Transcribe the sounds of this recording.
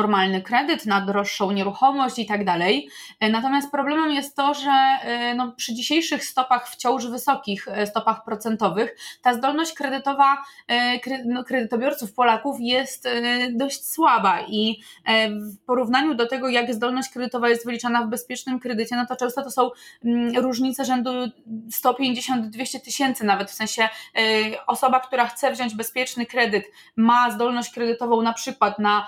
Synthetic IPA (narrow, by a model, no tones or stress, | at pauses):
ɔɾmalnɘkɾɛd̪ɘt̪nad̪ɾɔʂːɔ̃w̃ɲɛɾuxɔmɔɕt͡ɕit̪aɡd̪alɛj | nat̪ɔmʲast̪̚pɾɔblɛmɛmjɛst̪ːɔʐɛnɔpʂɘd͡ʑiɕejʂɘxst̪ɔpaxft͡ɕɔ̃w̃ʐvɘsɔkʲixst̪ɔpaxpɾɔt̪sɛnt̪ɔvɘxt̪azd̪ɔlnɔɕt͡ɕkɾɛd̪ɘt̪ɔvakɾɛnɔkɾɛd̪ɘt̪ɔbʲjɔɾt̪sufpɔlakufjɛst̪d̪ɔɕt͡ɕswabaʔi | fpɔɾuvn̪aɲud̪ɔt̪ɛɡɔjaɡzd̪ɔlnɔɕt͡ɕkɾɛd̪ɘt̪ɔvajɛst̪vɘlʲit͡ʂanavbɛspʲjɛt͡ʂnɘmkɾɛd̪ɘt͡ɕɛnɔt̪ɔt͡ʂɛ̃w̃st̪ɔt̪ɔsɔ̃w̃ɾuʐɲit̪sɛʐɛnd̪ust̪ɔpʲjeɲd͡ʑeɕɔnd̪d̪vʲeɕt͡ɕɛt̪ɘɕɛnt̪sɘnavɛt̪fsɛ̃ɕɛ | ɔsɔbak̚t̪uɾaxt̪sɛvʑɔɲd͡ʑbɛspʲjɛt͡ʂnɘkɾɛd̪ɘt̪ | mazd̪ɔlnɔɕt͡ɕkɾɛd̪ɘt̪ɔvɔ̃w̃napʂɘkwat̪na